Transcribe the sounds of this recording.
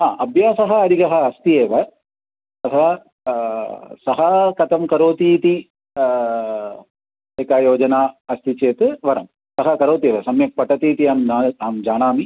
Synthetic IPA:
ɦãːʔɐbʱjaːsɐɦɐɐd̪iɡɐɦɐːst̪ieːʋɐ | ɐt̪ʰɐʋɐ | sɐɦɐkɐt̪ɐmkɐɾoːt̪iːt̪i | eːkaːjoːd͡ʒɐnaːɐst̪it͡ʃeːt̪ɨʋɐɾɐm | sɐɦɐkɐɾoːt̪ieːʋɐsɐmjɐk̚pɐʈːɐt̪iːt̪iaːmːaːmd͡ʒaːnaːmi

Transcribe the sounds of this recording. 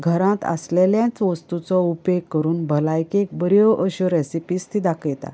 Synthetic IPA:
ɡʱəɾãt̪a̰sleljãt͡sʋəst̪ut͡sɔupekkːəɾuːnbʱəlajkek̚bəɾjɔʔəɕɔɾesipiːst̪ʰid̪akʰəjt̪a̰

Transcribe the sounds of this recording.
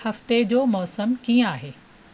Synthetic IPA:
hɐft̪ed͡ʑoːmɔːsəmkiːə̃aːɦeː

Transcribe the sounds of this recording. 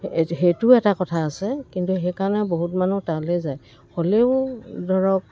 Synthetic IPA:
ɦetʊɛtakɔtʰaːsɛkintuɦekaɹnɛboɦutmanutalɛzaj | xoleʊdʱɔɹɔk̚

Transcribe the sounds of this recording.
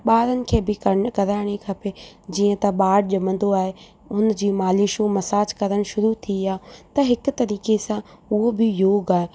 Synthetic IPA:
ɓaːɾənɪ̆kʰeːbɪkɐkɐɾaːɽ̃ekʰɐped͡ʑiːə̃t̪ɐɓaːɽʄɐmə̃nd̪oaːɦe | ʊn̆d͡ʑiːmaːliʃomɐsaːd͡ʑkɐɾəɽ̃ʃʊɾut̪ʰiaːt̪ɐɦɪkʊ̆t̪ɐɾiːkesãʊɦobɪjoːɡaːɦe

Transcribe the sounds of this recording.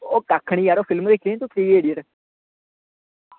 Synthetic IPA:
oːkakʰːəɳ̃iːaːɾoːfʰɪlmd̪eːkʰit̪ut̪ʰɾiːeːɽiəʈ

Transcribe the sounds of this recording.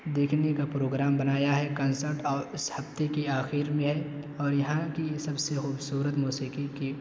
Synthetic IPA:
d̪eːkʰnekapɾoːɡɾaːmbɐnaːjaɦɛkɐ̃ːnsəɾʈɔːɾɪshɐft̪ekiaːxiːɾmẽɦɛ | ɔːɾjɐɦãkisɐbsexuːbsuːɾət̪muːsiːqiki

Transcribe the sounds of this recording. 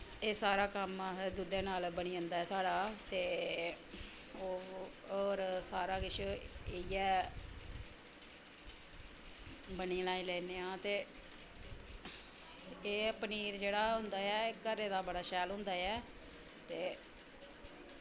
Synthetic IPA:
eːsaːɾaːkəmːd̪ud̪ẽːnaːlbəɽ̃iːənd̪aːɛːt̪ʰaːɽaːt̪eː | oː | oːɾsaːɾaːkɪt͡ʃʰeijɛː | bəniːlaːiːlɛːneːãːt̪eː | eːəpniːɾd͡ʒeːɽaːɦʊ̃nd̪aːɛːekəɾeːd̪aːbəɽaːʃɛːlɦʊ̃nd̪aːɛː | t̪eː

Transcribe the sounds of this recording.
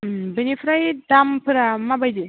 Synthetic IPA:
benipʰɾajdampʰɯɾamabajd̪i

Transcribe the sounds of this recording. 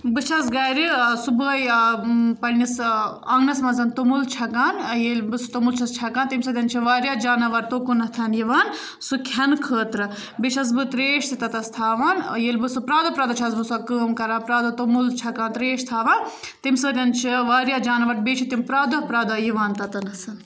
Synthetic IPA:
bɨt͡ʃʰɐsɡɐːɾisubəːj | pɐlnis | ɐŋnɐsmɐnzɐnt̪omult͡ʃʰɐkaːnjelʲbɨsut̪omult͡ʃʰɐst͡ʃʰɐkaːnt̪imʲsəːt̪ʲɐnt͡ʃʰiʋaːɾjaːd͡ʒaːnɐʋɐɾ̚t̪okunɐt̪ʰɐnjiʋaːn | sukʲʰɐnkʰəːt̪ɾɨ | bit͡ʃʰɐs̬bɨt̪ɾeːʃt̪ʰit̪ɐt̪ɐst̪ʰaːʋaːnjelʲbɨsɨpɾaːd̪ɐpɾaːd̪ɐt͡ʃʰɐsbɨsɐkəːmkɐɾaːpɾaːd̪ɐt̪omult͡ʃʰɐkaːnt̪ɾeːʃt̪ʰaːʋan | t̪imsəːt̪ʲɐnt͡ʃʰiʋaːɾjaːd͡ʒaːnɐʋɐʈ̚bet͡ʃʰit̪impɾaːd̪ɐpɾaːd̪ɐjiʋaːnt̪ɐt̪ɐnɐsɐn

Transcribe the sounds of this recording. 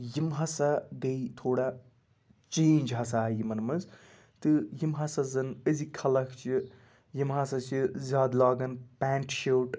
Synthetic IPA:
jimɦɐsad̪eit̪ʰoːɽa | t͡ʃeːnd͡ʒɦɐsajimɐnmɐz | t̪ɨjimɦɐsɐzɐnəzikʰɐlɐkʰt͡ʃʰi | jimɦɐsɐt͡ʃʰizʲaːd̪laːɡɐnpaːɳʈʰʃewʈ

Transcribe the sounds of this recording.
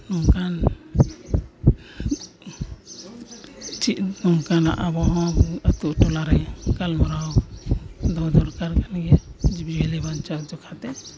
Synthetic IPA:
nɔŋkan | t͡ʃiʔ̪nɔŋkana̰ʔabɔɦɔ̃ət̪uʔʈɔlaɾajkalmɔɾaw | d̪ɔd̪ɔɾkaɾkanɡɛd͡ʒibibɛlɛbant͡ʃad͡ʒɔkʰat̪ɛ

